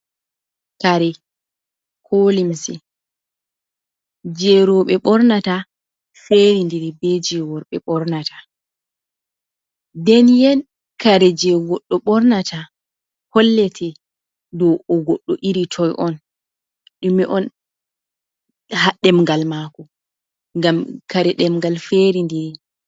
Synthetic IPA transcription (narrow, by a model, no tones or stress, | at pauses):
kaɾɛ | kʰolimsɛ | d͡ʒɛɾɔɓɛɓɔɾnata | feɾindɛɾibɛd͡ʒɛwɔɾɓɛɓɔɾnatʰḁ | dɛnjɛn | kaɾɛd͡ʒɛɡɔɗːɔɓɔɾnata | hɔlːɛtʰɛ | dɔɔɡɔɗːɔʔiɾitʰɔjʔɔn | ɗumɛʔɔn | haɗɛmŋɡalmakɔ | ŋɡamkaɾɛɗɛmɡalfeɾindiɾi